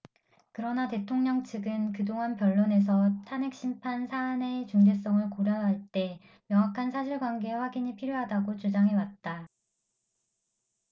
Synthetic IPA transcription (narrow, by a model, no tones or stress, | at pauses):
kɯɾʌnate̞tʰoŋɲʌŋt͡ɕʰɯɡɯnkɯdoŋɦanpjʌɭːone̞s̬ʰʌtʰanek̚ɕ͈impʰansʰaːne̞t͡ɕuŋd͡ʑe̞s͈ʌŋɯɭkoɾjʌɦaɭt͈e̞ | mjʌŋakʰansʰaɕʰiɭɡwanɡe̞ɸwaɡiɲipʰiɾjoɦadaɡot͡ɕud͡ʑaŋɦe̞wat̚t͈a